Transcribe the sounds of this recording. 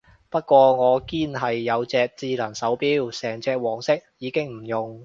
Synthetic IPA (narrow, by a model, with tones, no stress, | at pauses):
pɐ˥t̚kʷɔː˧ŋɔː˨˧kiː˥nɦɐ˨jːɐ˨˧wt͡sɛː˧k̚t͡siː˧lɐ˨˩nsɐ˨˥wpiː˥wsɛː˨˩ŋt͡sɛː˧k̚wɔː˨˩ŋsɪ˥k̚jiː˨˧kɪ˥ŋm̩˨˩jʊ˨˩ŋ